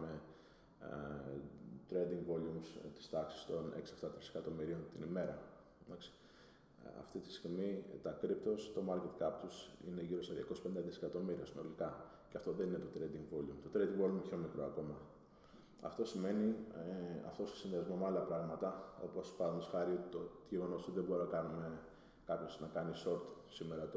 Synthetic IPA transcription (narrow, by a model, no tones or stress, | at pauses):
me | t̪ɾed̪iŋɡvo̞lumst̪i̥st̪ɐksi̥st̪o̞nḛksieft̪ɐt̪ɾisekɐt̪o̞miɾio̞nt̪inime̞ɾɐ | d̪ɐksi̥ | ɐ̰ft̪it̪i̥st̪iiɣmit̪ɐkɾip̚t̪o̞st̪o̞mɐɾce̞t̪kɐp̚t̪usḭne̞ʝiɾoeðʝɐ̰kosspend̪ɐðisekɐt̪o̞miɾiɐsino̞likɐ | ceɐft̪o̞ðe̞nine̞t̪o̞t̪ɾed̪iŋɡvo̞lumt̪o̞t̪ɾe̞d̪iŋɡvo̞lumço̞mikɾo̞ɐko̞mɐ | ɐ̰ft̪o̞sime̞ni | ɐ̰ft̪o̞sosinðiɐzmo̞meɐlɐpɾɐɣmɐt̪ɐo̞̰po̞spɐðnd̪osxɐɾio̞t̪it̪oʝeɣo̞no̞soðebo̞ɾinɐkɐnume̞ | kɐpço̞znɐkɐniso̞ɾt̪ | sime̞ɾɐt̪